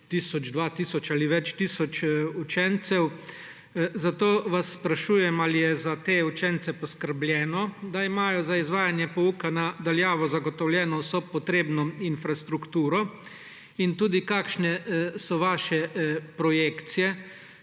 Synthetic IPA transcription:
t̪iːsɔd͡ʒd̪ʋat̪iːsɔt͡ʃaːliʋɛt͡ʃt̪iːsɔt͡ʃut͡ʃɛnt̪sɛw | zat̪oːʋasːpɾaʃuːjɛmalijɛzat̪eːut͡ʃɛnt̪sɛpɔskəɾbljɛːnɔd̪aimaːjɔzaizʋaːjanjɛpɔukanad̪aljaːʋɔzaɡɔt̪ɔwljɛːnɔsɔpɔt̪ɾeːbnɔinfɾast̪ɾukt̪uːɾɔ | int̪uːd̪ikaːkʃnɛsɔʋaːʃɛpɾɔjekt̪sijɛ

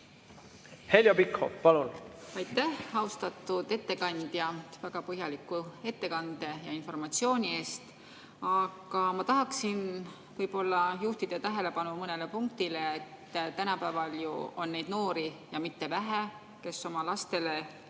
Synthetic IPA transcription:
he̞lʲjopikho̰pɑlunɑjt̪ˑːæhɑwst̪ɑt̪ːˑud̪̥e̞t̪ːe̞kɑnʲd̪̥jɑvæɡ̥ɑpɤɦjɑlikːˑue̞t̪ːe̞kɑnd̪̥e̞jɑinfo̞rmɑt̪sio̞ːnʲie̞ːst̪ | ɑɡ̥ɑmɑt̪ɑɦɑksin | vɯjbo̞lːɑjuht̪id̪̥et̪æɦele̞pɑnumɤne̞le̞puŋk̚t̪ile̞et̪ːt̪ænɑpævɑljuo̞nːe̞jd̪̚no̞ːɾijɑmit̪ːe̞væɦe | ke̞sːo̞mɑlɑst̪e̞le̞

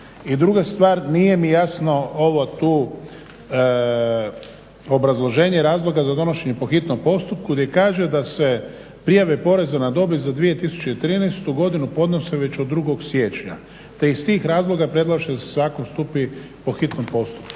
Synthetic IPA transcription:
id̪ɾuɡast̪ʋaːɾnije̞mijasno̞oʋot̪uː | o̞bɾazlˠo̞ʒe̞ːɲeɾaːzlˠo̞ɡazad̪o̞noʃe̞ɲe̞po̞xit̪nompo̞st̪up̚kuɡd̪je̞kaːʒe̞d̪ase̞ | pɾijaʋepo̞ɾe̞zanad̪o̞bizad̪ʋie̞t̪isu̥t͡ʃeit̪ɾiːnɛst̪uɡo̞d̪inupo̞d̪no̞seʋe̞t͡ɕod̪ːɾuɡo̞ɡsʋje̞t͡ʃɲa̰ | t̪e̞ist̪iːxɾaːzlˠo̞ɡapɾed̪lˠaʃed̪asezaːkonst̪upi | po̞xit̪nompo̞st̪u̥p̚ku̥

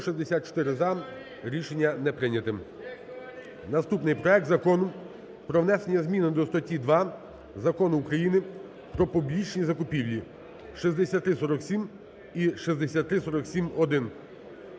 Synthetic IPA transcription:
ʃizd̪esʲat̪̚t͡ʃɔ̥t̪ɪɾɪzɑm | ɾʲiʃenʲːɐnɛpɾɪnʲɐt̪ɪm | nɐst̪upnɪjpɾɔɛk̚t̪zɐkɔnʊm | pɾɔʋnɛsenʲːɐzmʲinɪd̪ɔst̪ɔtʲid̪ʋɑ | zɐkɔnʊːkɾɐjinɪ | pɾɔpʊblʲit͡ʃnʲizɐkʊpʲiwlʲi | ʃizd̪esʲat̪ːɾɪsɔɾɔksʲim | iʃizd̪esʲat̪ːɾɪsɔɾɔksʲimɔd̪ɪn

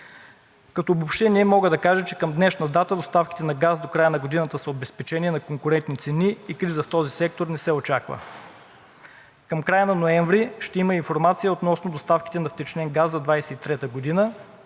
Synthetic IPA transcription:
kɐt̪oːbopʃt̪ɛniɛmɔɡəd̪ɐkaʒɛt͡ʃɛkəmd̪nɛʃnɐd̪at̪əd̪ost̪afki̥t̪ɛnɐɡasd̪okɾajənɐɡod̪inət̪əsəobɛspɛt͡ʃɛnʲiɛnɐkoŋkʊɾɛnt̪nit̪sɛniikɾizəft̪ɔzisɛk̚t̪oɾnɛsɛot͡ʃakvə̰ | kəmkɾajənɐnoɛɱvɾiʃt̪ɛiməinfoɾmat̪sijəot̪nɔsnod̪ost̪afki̥t̪ɛnɐft̪ɛt͡ʃnɛnɡasːɐd̪vajsɛit̪ɾɛt̪əɡod̪inə

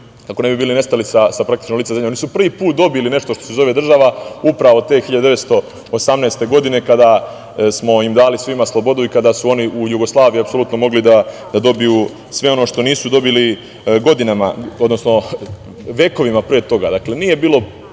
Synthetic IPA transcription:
kakone̞bibiːline̞st̪alisasapɾakt̪i̥t͡ʃnolit̪ezemʎeonisupr̩ʋiːpuːt̪̚d̪o̞biline̞ʃt̪oʃt̪osezo̞ʋe̞d̪ɾr̩ʒaʋaupɾaʋo̞t̪e̞ːxiʎad̪ud̪eʋest̪o̞ | osamne̞ːst̪e̞ɡo̞d̪ine̞kad̪a | smo̞imd̪aːlisʋimaslˠo̞bo̞d̪uikad̪asuo̞niujuɡo̞slˠaːʋijiapso̞lut̪no̞mo̞ɡlid̪ad̪ad̪o̞biju | sʋe̞o̞no̞ʃt̪o̞niːsud̪o̞bili | ɡo̞d̪inama̰o̞d̪no̞sno̞ | ʋje̞ko̞ʋimapɾeet̪o̞ɡad̪akle̞niːje̞biːlˠo̞

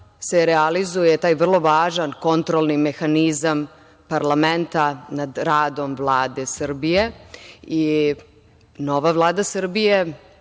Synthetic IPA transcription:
seɾealizujet̪aːjvr̩lˠo̞ʋaːʒanko̞nt̪ɾolˠnimexanizam | paɾlament̪anad̪ɾaːd̪o̞mʋlˠaːd̪esr̩bijei | no̞ʋaʋlˠaːd̪asr̩bije

